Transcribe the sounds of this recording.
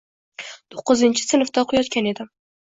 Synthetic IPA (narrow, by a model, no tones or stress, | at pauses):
t̪ʰo̥qːɨzɪnt͡ʃʰɪ̥sɨnɨft̪ɑqʰʊjɒt̪kʲæned̪ɪ